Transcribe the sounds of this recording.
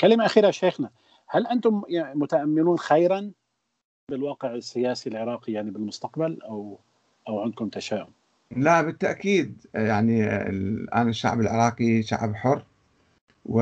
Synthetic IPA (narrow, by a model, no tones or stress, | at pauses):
kalɪmaʔaxiːɾaʃeːxna | halʔant̪ʊmjamʊt̪aʔamːɪnuːnxajɾan | bɪlwɑːqɪʕɪsːɪjaːsilʕɪɾˤɑːqijaʕnibɪlmʊst̪aqbalʔaw | ʔawʕɪnd̪̚kʊmt̪aʃaːʔʊb | labɪt̪ːaʔkiːd̪jaʕnḭ | ʔa̰naʃːa̰ʕbɪlʕɪ̰ɾˤɑːqiʃa̰ʕbħʊrː | wɪ